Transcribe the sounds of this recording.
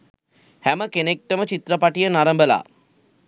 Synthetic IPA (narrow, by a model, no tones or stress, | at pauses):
hæməkenek̚ʈəmət͡ʃit̪ɾəpaʈijənaɾəmbəla̰ː